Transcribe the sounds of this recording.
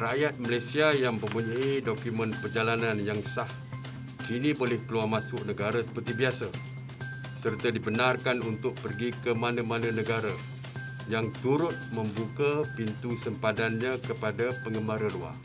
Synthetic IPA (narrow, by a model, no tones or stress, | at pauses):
rajat̪̚malajsiajaŋbəbuɲaidokumə̃npərd͡ʒalanãnjaŋsah | kinibolɛhkəluarmãsʊʔnəɡaɾasə̥pərt̪ibiasa | sərt̪adibənarkanunt̪ʊk̚pərɡikəmanəmanə̃nəɡaɾa | jaŋt̪uɾʊt̪̚mə̃mbukapint̪usəmpadanɲãkəpadapəŋɡəmbaɾəlua̰r